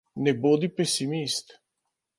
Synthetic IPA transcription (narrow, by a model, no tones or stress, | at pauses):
nɛboːd̪ipɛsimist̪